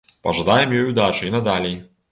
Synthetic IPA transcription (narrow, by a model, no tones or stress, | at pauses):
pɐ̰ʐad̪ajɛmjɔjud̪at͡ʂɨinɐd̪alʲɛj